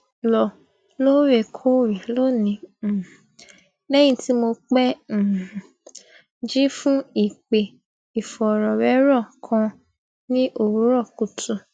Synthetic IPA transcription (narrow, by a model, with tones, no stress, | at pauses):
lɔ˨ | lo˦ɾe˦˨kʰo˦ɾi˨lo˦nĩ˨˧˦ | lɛ˦j̃ĩ˧ti˦mo˧k͡pɛ̃˦˨ | d͡ʒi˦fũ˦i˦˨k͡pe˨ | i˨fɔ˨ɾɔ˨wɛ˨˦ɾɔ˦˨kʰã˧ | nĩ˦ʔo˦˨ɾu˨˦ɾɔ˦˨ku˨tʰu˨